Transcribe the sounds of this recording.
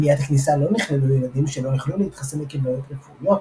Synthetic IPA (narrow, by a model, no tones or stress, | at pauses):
mijat̪aknisalo̞niχlelujelad̪imʃelo̞joχluleit̪χasemekiblojot̪lefujo